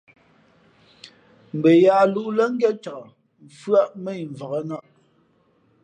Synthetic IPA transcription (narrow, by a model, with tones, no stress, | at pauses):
m̩˨bə˨jaː˨˦lu˦ʔlə˦ŋ̩˦ɡɛ˦t͡ʃa˨kə˨ | m̩˨fɰa˦ʔmə˦˨ɱ˨və˨ɣə˦na˦˨ʔ